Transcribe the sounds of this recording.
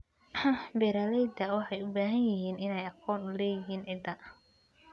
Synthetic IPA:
bɛːɾalɛjd̪ɐwɑħɑjʊbaːɦɐnjɪɦiːnɪnɛjɑqʰɔːnʊlɛːjɪɦiːnʕɪd̪ɐ

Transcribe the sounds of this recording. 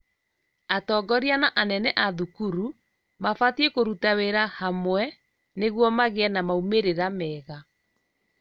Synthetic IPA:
atɔːɡɔɾianaʔanɛnɛʔaðukuɾu | mafatiekoɾutaweɾahamwɛ | neɣwɔmaɣeɛnamaumeɾeɾamɛːɣa

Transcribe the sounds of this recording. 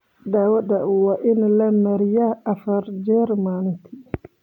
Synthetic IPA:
daːwɐdawaʔɪnlɐmɐɾjaːfɐɾd͡ʒɛɾmaːnɪt̪ʰi

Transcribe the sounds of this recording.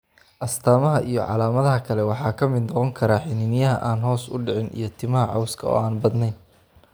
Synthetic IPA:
ʔɐst̪ʰaːmɐɦɐʔijɞʕɑ̰laːmɐðɐɦɐkʰɐlɛwɑħɑːkʰɐmɪd̪nɔqɔŋkʰɐɾaːħɪnɪnɪjɐɦɐ̰ʔaːnɦɔːsʊ̰ɖɪʕɪnʔḭjɞt̪ʰɪmɐɦɐʕɑwskʰɐɔ̰ːaːnbɐd̪nɛjn

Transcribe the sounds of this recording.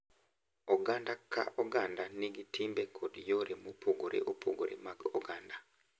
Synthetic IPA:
oɡandakʰa̰ʔoɡandaniɡitimbekʰodjoɾemopʰoɡoɾḛʔopʰo̰ɡo̰ɾḛmaɡoɡanda

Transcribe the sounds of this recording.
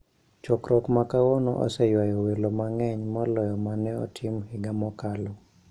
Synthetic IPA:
t͡ʃɔkɾɔkmakawɔnɔ̰ʔɔ̰sɛjwajɔwelomaŋɛɲmɔlɔjɔmanɛɔ̰tʰɪmhɪɡamɔkalɔ

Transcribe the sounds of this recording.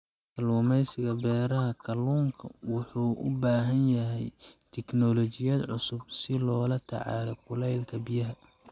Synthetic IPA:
kʰɐluːmɛjsɪɣɐbɛːɾɐɦɐkʰɐluːŋkʰɐwʊħuːʔʊ̰baːɦɐnjɐɦɛjt̪ʰɛknɔlɔt͡ʃɪjɐːd̪ʕʊsʊb̚sɪlɔːlɐt̪ʰɐ̰ʕɑ̰ːlɔkʰʊlɛjlkʰɐbijɐɦɐ

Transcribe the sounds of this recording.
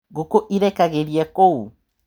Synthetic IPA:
ɡokoʔiɾɛkaɣeɾiɛkou

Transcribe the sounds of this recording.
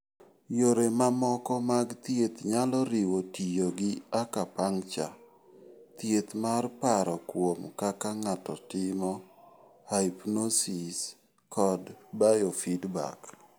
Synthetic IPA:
joɾemamɔkɔmaɡt̪jet̪ɲalɔɾɪwotijoɡɪakapaŋt͡ʃa̰ | t̪jet̪marpaɾɔkwomkakaŋatɔtɪmɔ | hajpnosis | kʰɔdbajofidba̰k

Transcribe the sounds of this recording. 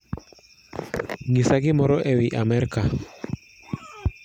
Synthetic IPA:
ŋisaɡɪmɔɾɔʔɛwiʔamɛɾka

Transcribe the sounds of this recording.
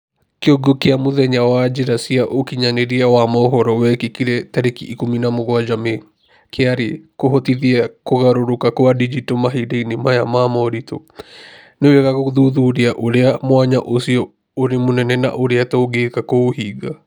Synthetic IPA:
keoɡokeamoðɛɲawad͡ʒeɾasiaʔokiɲaneɾiawamɔːɦɔɾɔwɛkikiɾɛtɛɾekḭʔːkominamoɣwad͡ʒame | keaɾekoɦɔtiðiakoɣaɾoɾokakoadid͡ʒitomaɦideinimajamamɔɾito | neweɣaɣoðuðuɾiaʔoɾeamwaɲaʔosiɔ | oɾemonɛnɛna̰ʔoɾeatɔoɡekakoohiɡa

